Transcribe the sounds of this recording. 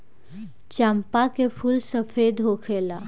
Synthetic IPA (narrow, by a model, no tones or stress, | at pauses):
t͡ʃãmpakepʰulsəfʰed̪ɦokʰela